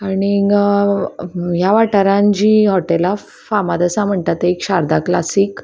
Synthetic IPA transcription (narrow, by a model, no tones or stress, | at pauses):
aɽ̃i | jaʋaʈəɾãɲd͡ʑiːɦɔʈela | famad̪əsãm̤əɳt̪at̪eekɕaɾd̪aklasiːk